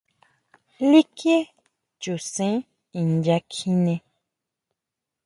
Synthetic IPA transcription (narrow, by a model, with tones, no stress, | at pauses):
li˦kje˦ | d͡ʒo˨sɛ̃˨˦ | i˨n̩˨d͡ʒa˧kʰĩ˦nɛ̃˧